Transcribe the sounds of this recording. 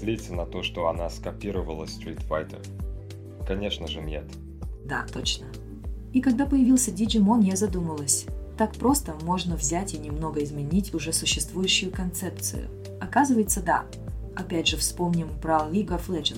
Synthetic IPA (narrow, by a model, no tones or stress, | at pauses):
slʲet̪ʲsənɐt̪oʂt̪oɐnaskɐpʲiɾəvəlˠəst̪ɾʲit̪fa̰jt̪ə̰ | kɐnʲe̞ʂnəʐɨmʲnʲḛt̪ | d̪a̰t̪o̞t͡ɕnə | ikɐɡ̚d̪apəjɪvʲilˠsʲədʲɪd͡ʒɪmonjʲezɐd̪uməlˠəsʲt̪akpɾo̞st̪əmo̞ʐnəvzʲætʲinʲɪmno̞ɡəɪzmʲɪnʲitʲʊʐɛsʊɕːɪst̪vujʉɕːʊjʊkɐnt̪sɛp̚t̪sɨ̰jʊ̰ | ɐkazɨvəjɪt̪səd̪a̰ | ɐpʲædʲʐɨfspo̞mnʲɪmpɾɐlʲiɡəflˠɛd͡ʒɨn